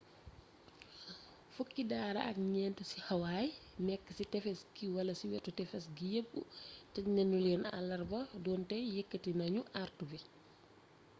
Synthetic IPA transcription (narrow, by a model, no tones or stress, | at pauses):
fukːidaːɾɐ̰ɐ̰k̚ɲɛːntəsihɐwaːjnɛkːəsitɛfɛskiwɐlɐsiwɛtːutɛfɛsɡijebːṵtɛnɛnulɛːna̰lːɐrbɐdɔːntɛjekːətinɐɲuʔartubi